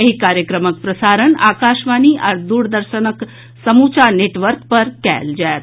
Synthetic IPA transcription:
eɦikaːɾjəkɾəmək̚pɾəsaːɾəɳaːkaːʃʋaniʔaɾd̪uːɽd̪əɾʃənək | səmut͡ʃaneʈʋəɾkpəɾkɛ̰ld͡ʒajt̪

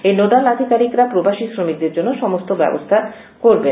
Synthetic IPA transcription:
enoɖalad̪ʱikaɾikɾapɾobaʃisɾomik̚d̪eɾd͡ʑonːoʃɔmost̪obɛ̰bost̪ʰa | koɾbe

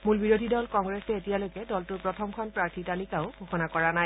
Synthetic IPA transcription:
mulbiɹodʱidɔlkɔŋɡɹɛsɛetijalojkɛdɔltʊɹpɹɔtʰɔmkʰɔnpɹaɹtʰitalikaʊɡʱuxɔnakɔɹanaj

